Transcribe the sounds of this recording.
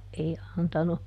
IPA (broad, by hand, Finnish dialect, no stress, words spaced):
ei ɑntɑnu